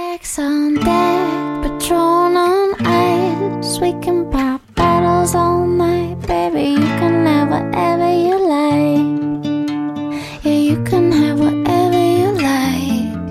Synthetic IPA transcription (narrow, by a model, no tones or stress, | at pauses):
æksən̩dəpʰɨtʰɹ̥oʊ̃nənaɪswikɪ̃ŋpʰɑp̚b̥ɑɾl̩ˠzoʊ̃maɪt̚b̥ebijɨkʰə̃nəvwʌ̰ɾʔɛvə˞jəlaɪ | ɨjɨkʰɨ̃nɨvwʌɾɛvə˞jəlaɪ